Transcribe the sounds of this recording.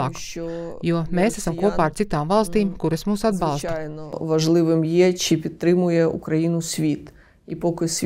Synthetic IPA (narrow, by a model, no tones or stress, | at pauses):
aːk | juɔmeːsæsamkuɔpaːaɾt̪sit̪aːmvɑlˠst̪iːmkuɾɐsmuːsad̪bbɑlˠst̪jnɔʋɐʒlˠɪʋɪmjɛt͡ʃɪpʲit̪̚t̪ːɾɪmʊjɛṵkɾɐjinʊsʲʋʲit̪ | ipɔkɪsʲ